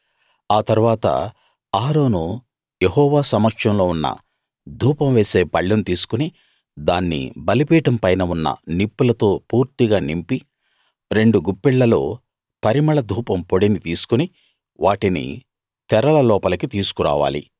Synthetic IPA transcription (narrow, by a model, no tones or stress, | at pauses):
aːt̪ɐɾuʋaːt̪ɐ̰ | aːɾo̞ːnu | jeɦɔːʋaːsɐmɐkʂɐmlo̞ːunːɐ̰ | d̪ʱuːpɐmʋe̞ːse̞ːpɐɭːɐnt̪iːsu̥kuni | d̪aːnːḭbɐlipiːʈɐmpɐjnɐunːɐ̰nipːulɐt̪o̞ːpuːɾt̪iɡaːnimpi | ɾe̞ɳɖuɡupːiɭːɐlo̞̰ː | pɐɾimɐɭɐd̪ʱuːpɐmpoɽinit̪iːsu̥kuni | ʋaːʈinḭ | t̪ɛɾɐlɐlɔːpɐlɐkit̪iːsu̥kuɾa̰ːʋa̰ːlḭ